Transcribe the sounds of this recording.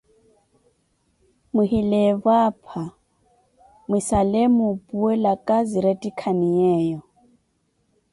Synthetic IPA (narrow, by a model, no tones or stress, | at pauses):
mihilɛβapʰa | mwisalɛmupuɛlakʼaziɾɛtʼikʰaniɛːjɔ